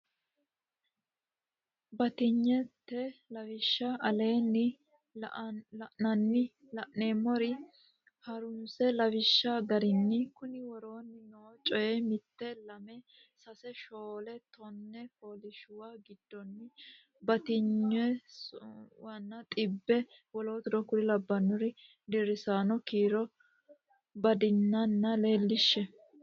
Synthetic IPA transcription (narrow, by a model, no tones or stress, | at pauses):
bɐt̪ɪɲːɛt̪ːɛlɐfɪʃːɐʔɐle̞ːnːɪ | ɐʔnɐnːɪ | lɐʔneːmːɔɾɪ | hɐɾʊmsɛlɐwɪʃːɐɡɐɾɪnːɪkʊnɪwɔɾo̞ːnːɪnot͡ʃʼɔjɛmɪt̪ːɛlɐmɛ | sɐsɛʃoːlɛt̪ʰɔnːɛfoːlɪʃʊwaɡɪd̪̥ːɔnːɪ | bɐt̪ɪɲːɛ | wɐnːɐt̪ʼɪbːɛ | wɔlo̞ːt̪ɪd̪ɔkʊɾɪlɐbːɐnːɔɾɪ | d̪ɪɾɪsaːnɔkiːɾɔ | bɐd̪ɪnːɐnːɐle̞ːlːɪʃːɛ